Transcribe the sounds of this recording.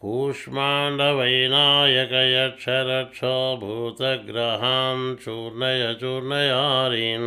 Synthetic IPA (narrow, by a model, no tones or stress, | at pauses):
kuːʂmaːɳɖɐʋɐjnaːjɐkɐjɐt͡ʃʰɐɾɐt͡ʃʰoːbʱuːt̪ɐɡɾɐɦamt͡ʃuːɾnɐjɐt͡ʃuːɾnɐjaːɾin